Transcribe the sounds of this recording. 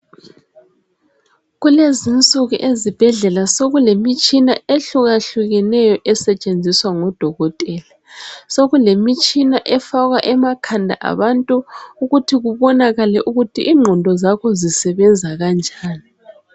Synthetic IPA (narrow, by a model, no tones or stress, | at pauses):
ɣulezint͡sʼuɣuʔezib̥ʱɛɮɛlasoɣulemit͡ʃʼinaeɬuɣaɬuɣɛnɛjɔʔɛsɛt͡ʃʼend͡zʱiswaŋɔd̥ʱɔɣɔtʼɛːla | soɣulemit͡ʃʼinaʔɛfaɣwaʔɛmakʰandʱa̰ʔa̰βantʼuuɣutʰiɣuβɔnaɣalɛʔuɣutʰiʔːŋ͡ǃʱɔndʱɔzakʰɔzisɛβɛnd͡zʱaɣand͡ʒʱaːni